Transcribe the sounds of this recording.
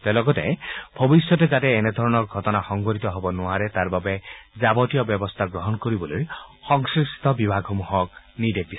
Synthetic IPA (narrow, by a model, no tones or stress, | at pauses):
t̪elɔɡɔt̪ḛb̥ʱɔbisjɔted͡ʒat̪eːned̪ʱɔɾɔnɔɾɡʱɔtɔnaxɔŋɡɔɾit̪ɔɦobɔnʊaɾet̪aɾbabed͡ʒabɔtijɔbjɔbɔst̪ʰaɡɾɔɦɔnkɔɾibɔlojxɔŋsist̪ʰɔbibʱaɡʱɔmuɦɔk | nid̪ek̚di